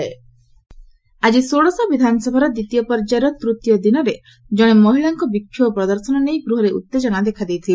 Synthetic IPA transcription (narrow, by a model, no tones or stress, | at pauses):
e | ad͡ʒisoɽɔsɔbid̪ʱanɔsɔbʱaɾɔd̪it̪ijɔpɔɾd͡ʒaɾɔt̪ɾut̪jɔd̪inɔɾe | d͡ʒɔɽ̃emɔɦiɭaŋkɔbikʰːjupɾɔd̪ɔɾsɔnɔnejɡɾuɦɔɾeʔṵt̪ːed͡ʒɔnad̪ekʰad̪ejt̪ʰil